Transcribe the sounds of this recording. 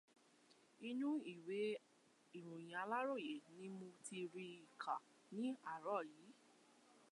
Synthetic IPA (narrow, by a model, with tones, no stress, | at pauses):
i˧nũ˦i˦˨we˨˦ | i˨ɾũ˨j̃ã˨a˧˦la˦ɾo˦˨je˨nĩ˦mõ˧ti˧ɾi˧i˨kʰa˨ | nĩ˨˦a˦˨ɾɔ˦˨jiː˨˦